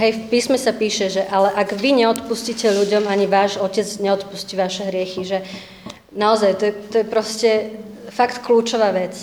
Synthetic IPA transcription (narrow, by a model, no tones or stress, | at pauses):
ɦɛjfpiːsmɛsapiːʃɛʒɛʔalɛʔaɡʋiɲɛɔt̪puscicɛʎuɟɔmaɲiʋaːʒɔcɛd͡zɲɛɔt̪pusciʋaʃɛɦɾɪɛxiʒɛ | naɔzajt̪ɔjɛt̪ɔjɛpɾɔscɛfakt̪kluːt͡ʃɔʋaːʋɛt͡s